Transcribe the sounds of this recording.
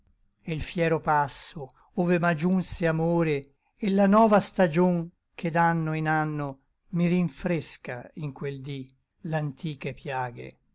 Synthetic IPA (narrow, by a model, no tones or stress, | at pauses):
elfjɛːɾopasːo | oːvemad͡ʒunseamoːɾeː | lːanɔːvast̪ad͡ʒoŋ | kʰed̪anːoinanːo | miɾiɱfɾeska̰iŋkweld̪i | lant̪ʰiːkepjaːɡḛ